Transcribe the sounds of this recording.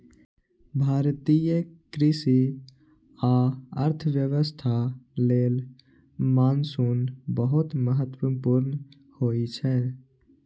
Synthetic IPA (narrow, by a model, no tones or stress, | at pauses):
bʱaːɾt̪ijəkɾɪsi | aəɾt̪ʰəʋjəʋəst̪ʰaleːl | maːnsuːnbəɦut̪məɦət̪ːwəpuɾnə | hoit͡ʃʰɛ